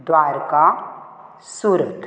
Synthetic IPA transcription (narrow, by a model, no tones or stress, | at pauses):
d̪waːɾka | suɾəd̪ʱ